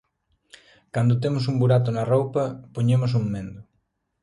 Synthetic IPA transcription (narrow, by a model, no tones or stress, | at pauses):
kand̪ot̪̬emʊsumbuɾat̪̬ʊnɐrowpɐpoɲemʊs̬uŋmːẽnd̪ʊ